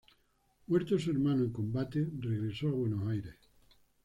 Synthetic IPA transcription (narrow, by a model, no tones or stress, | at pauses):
mweɾt̪oseɾmãnoeŋkõmbat̪ereɣɾesoaβwenosajɾes